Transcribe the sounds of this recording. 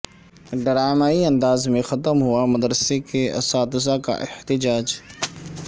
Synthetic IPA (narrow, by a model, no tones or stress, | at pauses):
ɖəɾaːmaːiɐ̃nd̪aːzmẽxɐt̪əmɦʊamɐd̪ɾəsekeɐ̰saːt̪ɪs̬aka̰ʔɪht̪ɪd͡ʒaːd͡ʒ